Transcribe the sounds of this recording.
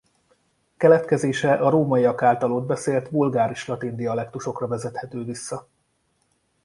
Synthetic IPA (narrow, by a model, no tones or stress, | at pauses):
kɛlɛt̪kɛzeːʃɛʔɒɾoːmɒiɒkaːlt̪ɒloːd̪̚bɛseːlt̪bulɡaːɾiʃlɒt̪ind̪iɒlɛkt̪uʃo̞krɒvɛzɛt̪hɛt̪øːvisːɒ